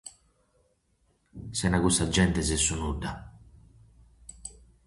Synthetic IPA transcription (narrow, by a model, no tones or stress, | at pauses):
sɛnakust̪ad͡ʒɛnt̪ɛsɛsːunud̪a